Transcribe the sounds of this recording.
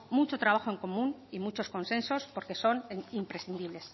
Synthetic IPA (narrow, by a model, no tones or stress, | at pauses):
mut͡ʃot̪ɾaβ̞axo̞e̞ŋko̞mũnimut͡ʃo̞sko̞nsẽ̞nso̞spo̞ɾke̞so̞nimpɾe̞sθind̪iβle̞s